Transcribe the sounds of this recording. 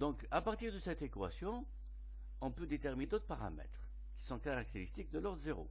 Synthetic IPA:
d̪ɔ̃kapaʁt̪iʁd̪əsɛt̪ekwa̰sjɔ̃ | ɔ̃pød̪et̪ɛʁmid̪ot̪χpaʁa̰mɛ̰t̪χ | kʲi̥sɔ̃kaʁak̚t̪eʁist̪ik̚d̪əlɔʁd̪zeʁo̰

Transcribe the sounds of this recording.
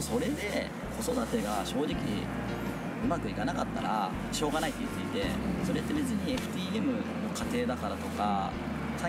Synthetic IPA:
so̞ɾe̞d̪e̞ | ko̞so̞d̪at̪e̞ɡaɕo̞ːd͡ʑikʲi | ɯ̟makɯ̟ikanakat̪ːa̰ɾa̰ | ɕo̞ːɡanait̪ːojɯ̟t̪ːeit̪e̞̰so̞ɾe̞t̪ːe̞me̞zɨɲ̟ieɸɯ̟̥t̪ʲiːe̞mɯ̟no̞kat̪e̞ːd̪akaɾat̪o̞ka | sa

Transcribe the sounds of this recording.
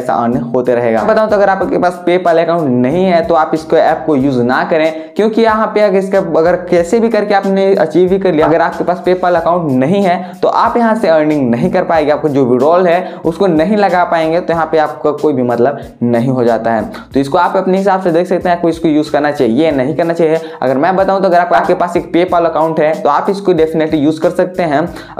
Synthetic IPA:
ɛsa̰ʔə̰ːɾnɪ̃ɦoːt̪eɾɐɦeːɡa̰ːbɐt̪aːũt̪oɐɡəɾaːpkepaːspeːpaːlɐkaːʊ̃ɳʈnɐɦĩɦɛt̪oaːpɪskoɛːp̚kojuːznɐkɐɾẽː | kjõːkiɐɦãpeɐɡɪskaɐɡəɾkɛːsebʱikɐɾkeaːpneɐ̰t͡ʃiːʋbʱikɐɾlijaɡəɾaːp̚kepaːspeːpaːlɐkãːʊ̃ɳʈnɐɦĩɦɛt̪oʔaːpjɐɦãseəːɾnɪ̃ŋɡnɐɦĩkɐɾpaːẽŋɡeaːp̚kad͡ʒoːʋɪɖɔːlɦɛʊskonɐɦĩlɐɡapaːẽːŋɡet̪ojɐɦãpeaːp̚kakoːibʱimɐt̪ləb | nɐɦĩɦod͡ʒa̰ːt̪aɦɛ̰ː | t̪oɪskoaːpɐpneɦɪsaːbsed̪eːkʰsɐkt̪eɦɛ̃aːp̚koɪskojuːzkɐɾnat͡ʃaːɦienɐɦĩkɐɾnat͡ʃaːɦieɐ̰ɡəɾmɛ̃ːbɐt̪aːũt̪oɐɡəɾaːp̚kaːp̚kepaːseːk̚peːpaːlɐkaːʊ̃ɳʈɦɛt̪oaːpɪskoɖeːfɪneʈlijuːzkɐɾsɐk̚t̪eɦɛ̃ː

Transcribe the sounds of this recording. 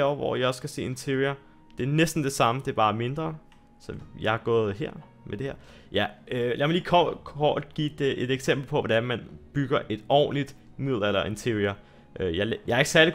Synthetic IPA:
ɒʋɒ̰jɑ̈ɒ̽sːɡ̥æse̝̰ːe̝nt͡sʰe̝ɐʁiɐ | d̥e̝æɐnesd̥n̩d̥e̝sɑ̈məd̥e̝b̥ɑ̈ːme̝nd̥ʁɐ | sɒ̽jɑ̈hɑ̈ɡ̥ɔ̰̽ːð̞̩ˠɦeɐ̰ | med̥e̝heɐ̰ | jæølæɐmɑliːkʰɒkʰɒ̰ːd̥ɡ̥ḭːd̥eʔe̝d̥eɡ̥sem̰b̥l̩pʰɒ̽ʋɒd̥ænmænb̥yɡ̥ɐʔe̝d̥ɒ̰ːnlid̥mið̰ˠl̩ˠɐelɐʔe̝nt͡sʰe̝iɐ | ʔøjɑjɑɑe̝ɡ̥əsæɐli

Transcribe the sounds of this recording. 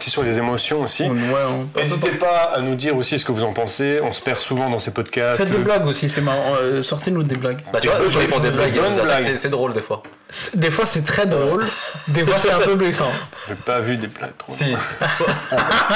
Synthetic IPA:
t̪ɛsyʁlezemɔsjɔ̃osiwɛɔ̃pezt̪epaːnud̪iʁosis̬ə̥kəvuzɑ̃pɑ̃seɔ̃sə̥pɛʁsuvɑ̃d̪ɑ̃sepɔd̪kʲastsɛd̪elaɡosisɛmaʁɑ̃sɔʁt̪enud̪eblaɡbaapɔ̃d̪eblaɡbɔnblaɡsɛd̪ʁold̪efwa | sɛ̥d̪efwasɛt̪χɛd̪ʁold̪efwasɛɛɛ̃pøblɛsɑ̃ʒepavyd̪ebla̰ɡ̚t̪χosi

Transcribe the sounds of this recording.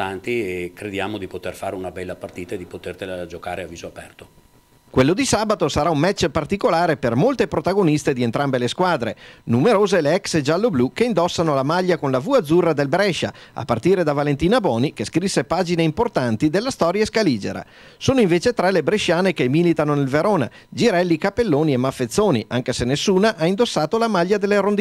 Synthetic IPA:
ant̪iekɾed̪jaːmod̪ipot̪erfa̰ːɾeunabɛlːapart̪iːt̪aed̪ipot̪ert̪elad͡ʒoka̰ːɾeavːiːzoapɛ̰rt̪o | kwelːod̪isaːbat̪osaɾaummɛt͡ʃːpart̪ikolaːɾepermolt̪epɾot̪aɡonist̪ed̪ient̪ɾambeleskwaːd̪ɾenumeɾoːzeleɛksd͡ʒalːoblukeind̪ɔsːanolamaʎːakonlavuad̪zːurːad̪elbɾɛʃːa̰a̰pːart̪iːɾed̪avalent̪iːnabɔːnikeskɾisːepaːd͡ʒineimport̪ant̪id̪elːast̪ɔːɾjaeskaliːd͡ʒḛɾa̰ | soːnoiɱveːt͡ʃet̪ɾɛlebɾeʃːaːnekemilit̪anonelveɾoːna̰ | d͡ʒiɾɛlːikapelːoːniemafːet̪sːoːnḭʔaŋkesenesːuːnaʔaind̪osːaːt̪olamaʎːad̪elːeɾond̪

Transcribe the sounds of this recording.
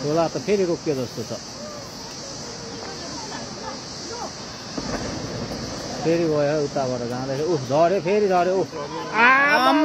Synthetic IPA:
kolat̪ʌpʰeɾiɾokjod͡zʌst̪ot͡sʰʌ | pʰeɾibʌjeɦut̪ːabʌɾʌd͡zãːd̪asʰʌud͡zʱʌɾjepʰeɾid͡zʱʌɾjeuam

